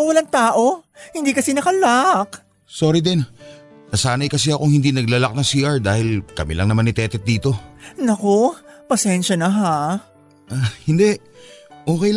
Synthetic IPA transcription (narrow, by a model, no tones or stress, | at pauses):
wɐlaŋt̪aːʔo̞hɪnd̪iːkɐsɛnɐkɐlak | soːɾɪd̪ɛn | nɐsaːnɐjkɐs̬ɛɐkʊŋhɪnd̪inɐɡ̚lɐlak̚nɐŋsiːʔaɹd̪aːhɪlkɐmɪ̰lɐŋnɐmanɪt̪ɛːt̪ɛt̪̚d̪iːt̪o̞nɐkopɐsɛnʃɐnɐɦa | ʔahɪnd̪ɛ | ʔoːkɛj